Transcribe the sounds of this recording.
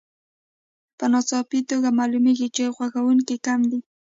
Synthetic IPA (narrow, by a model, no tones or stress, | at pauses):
pənɑsɑpit̪oɡamɑlumeɡit͡ʃeɣwaxawuŋkikamd̪i